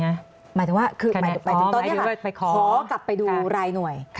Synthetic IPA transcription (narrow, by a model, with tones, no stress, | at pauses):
a˦˥ | ma˨˦jt̪ʰŋwaː˥˩kʰɯː˧ma˨˦tŋmaː˨˦ɯ˩t̪ɔː˧ni˦˥ɐ˧˩ka˥˩pa˧jkʰɔ˧˩ɔː˩˦kla˨˩pːa˧jduː˧˩ɾaː˧jnu˨˩əjʰ